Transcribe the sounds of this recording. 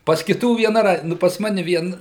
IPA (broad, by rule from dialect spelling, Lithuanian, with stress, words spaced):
pɐs kʲɪˈtuː ʋʲiɛˈnɐ ˈrɐɪt ˈnʊ pɐs ˈmɑːnʲɛ ˈʋʲiɛn